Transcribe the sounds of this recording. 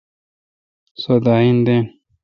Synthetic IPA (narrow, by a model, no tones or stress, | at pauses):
sod̪aind̪en